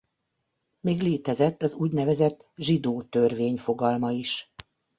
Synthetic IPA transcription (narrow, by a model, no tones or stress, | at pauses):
meːɡleːt̪ɛzɛt̪ːɒzuːɟnɛvɛzɛt̪ː | ʒid̪oːt̪ørveːɲfo̞ɡɒlmɒiʃ